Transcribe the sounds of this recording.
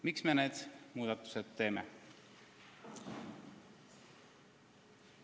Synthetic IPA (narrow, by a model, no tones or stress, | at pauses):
miksme̞ne̞ːd̪̥muːd̪̥ɑt̪ːˑu̥sed̪̥t̪e̞ːmḛ